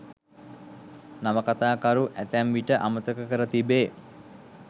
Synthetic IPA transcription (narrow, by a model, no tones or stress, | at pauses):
naməkat̪aːkaɾuʔæt̪æmʋiʈəʔamət̪əkəkəɾət̪ibeː